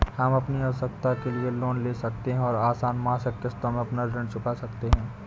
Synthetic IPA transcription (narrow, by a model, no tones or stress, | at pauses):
hɐmɐpniɐʋəsək̚t̪akelieloːnleːsɐk̚t̪eɦɛ̃ɔːɾaːsaːnmɐɦasɐkt̪əst̪əmẽɐpnaɾɐ̃ɳt͡ʃʰʊpasɐkt̪eɦɛ̃ː